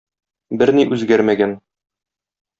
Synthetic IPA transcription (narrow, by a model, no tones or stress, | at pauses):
bɘɾniʔʉzɡæɾmæɡæn